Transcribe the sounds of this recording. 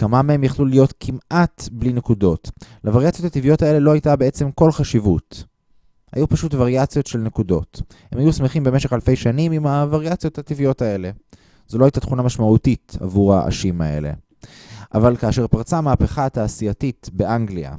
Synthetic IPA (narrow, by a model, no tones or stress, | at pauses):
kamamee̞mjaχlulijo̞tkʰimʔatbline̞kudo̞tlavaʁjat͡sijo̞that̪ivijo̞tae̞le̞lo̞hajtabee̞t͡se̞mko̞lχaʃivut | ha̰jupaʃutvaʁjat͡sjo̞tʃe̞lne̞kudo̞̰t | he̞mhajusmeχimbe̞me̞ʃe̞χalfe̞jʃanimimavaʁjat͡sijo̞that̪ivijo̞tae̞le | z̥olo̞ajtat̪χunamaʃmautita̰vuʁa̰ʔa̰ʃimae̞̰le̞̰ | ʔavalkaːʃe̞ʁpaʁt͡samaːpeχataːsiatitbe̞ʔaŋɡlia̰